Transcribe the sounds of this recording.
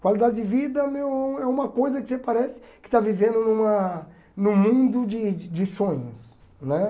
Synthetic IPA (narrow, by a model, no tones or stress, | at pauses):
kwalid̪ad͡ʒɪd͡ʒɪvid̪ɐmewɛũɛũmɐkojzɐkɪsepaɾɛsɪ̥kɪ̥t̪avivẽnd̪ʊnũmɐ | nʊ̃mũd̪ʊd͡ʒɪd͡ʒɪsõɲʊs | nɛ